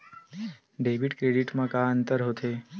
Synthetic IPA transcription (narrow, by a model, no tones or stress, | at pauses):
ɖeʋiɖkɾeɽiʈmãkaənt̪əɾɦot̪ʰe